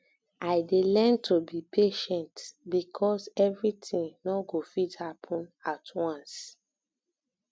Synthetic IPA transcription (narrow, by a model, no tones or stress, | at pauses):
aɪdelɛ̃ntʰubipʰeʃɛ̃ntbikʰɔsɛvɹitĩŋnɔɡofithapʰɔ̃natʰwãns